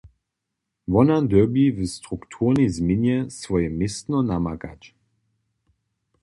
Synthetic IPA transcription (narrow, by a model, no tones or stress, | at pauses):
vɔnad̪əbivəst̪ʁukt̪ʰuʁnizminjɛsvɔjɛmɪst̪nɔnamaka̰t͡ʃ